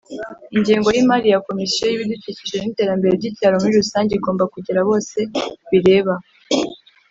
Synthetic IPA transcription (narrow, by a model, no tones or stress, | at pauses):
iɲɟeːŋɡo̞jimaɾijako̞misijojiβiduticiʒenite̞ːɾambe̞ɾe̞bɟiːcaːɾomuɾiɾusaːɲɟeiɡoːmbakuɟiɾaβo̞ːse̞βiɾe̞ːβa